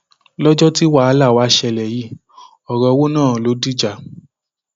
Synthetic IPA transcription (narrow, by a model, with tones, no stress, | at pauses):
lɔ˦d͡ʒɔ˦ti˦wa˦˨˦la˦˨wa˨˧˦ʃɛ˧lɛ˨ji˨˦ | ɔ˨ɾɔ˧wo˦nãː˦˨lo˨˦di˦˨d͡ʒa˨